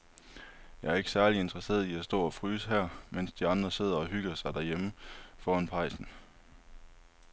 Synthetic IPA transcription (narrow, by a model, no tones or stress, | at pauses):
jɑ̈æɐe̝ɡ̥sæɐlie̝nd̥ʁɐse̝̰ːɐð̩ˠiæsd̥ɒ̰ːɒ̽fʁyːsɦæɐ̰men̰sd̥iɑ̈nd̥ʁɐse̝ð̞̰ˠɐɒ̽ɦyɡ̥ɐsɑ̈ɪd̥æɐjeməfɒːænpʰɑ̈ɪ̰sn̩